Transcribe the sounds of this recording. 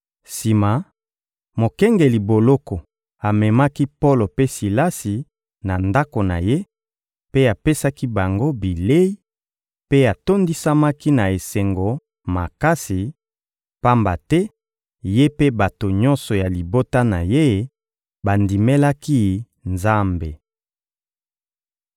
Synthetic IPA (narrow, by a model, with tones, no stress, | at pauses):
si˨ma˨ | mo˨kɛ˦ŋɡe˨li˨bo˨lɔ˦kɔ˨ | a˨mɛ˨ma˦ki˦po˦lo˨pe˦si˨la˦si˨ | na˨nda˦ko˨na̰˨je˦ | pe˦a˨pe˦sa˦ki˦ba˨ŋɡo˦bi˨le˦i˦ | pe˦a˨to˦ndi˦sa˦ma˦ki˦na˨e˨se˨ŋɡo˨ | ma̰˨ka˦si˨ | pa˦mba˨tɛ˦ | je˦pe˦ba˨to˨ɲɔ̃˦nsɔ˨ja˨li˨bo˦ta˦na˨je˦˨˦ | ba˨ndi˨me˦la˦ki˦ | nza˦mbe˨